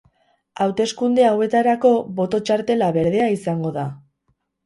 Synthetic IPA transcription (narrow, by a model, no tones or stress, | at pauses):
awt̪e̞skund̪e̞awe̞t̪aɾako̞βo̞t̪o̞t͡ʃaɾt̪e̞laβe̞ɾðe̞aisaŋɡo̞ða